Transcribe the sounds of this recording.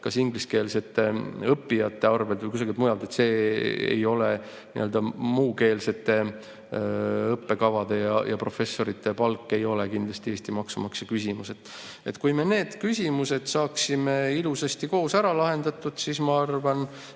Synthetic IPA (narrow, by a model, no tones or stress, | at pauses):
kɑsiŋɡliske̞ːlse̞t̪ːˑeɤpːijɑt̪ːe̞ɑrve̞lt̪vəjkus̬ɑɡilt̪mujɑld̪e̞t̪se̞ːḛjo̞le | niʔø̞ld̪̥ɑmuːke̞ːlse̞t̪ːe̞ | ɤpːe̞kɑvɑd̪e̞jɑjɑpro̞fe̞sːo̞ɾit̪ːˑe̞pɑlkˑːe̞jo̞le̞kind̪lɑst̪iest̪imɑksumɑksjɑkysʲimuse̞t̪ | e̞̰t̪ːˑkujme̞ne̞ːd̪̥kysʲimuse̞d̪̥sɑːksime̞ilusest̪iko̞ːsæɾɑlɑɦe̞nd̪̥ɑt̪ːˑud̪̥sismɑɑrvɑn